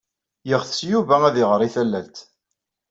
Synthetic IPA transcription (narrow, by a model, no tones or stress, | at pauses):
jəʁθsjuvææðiʁəɾˤiθælːælt̪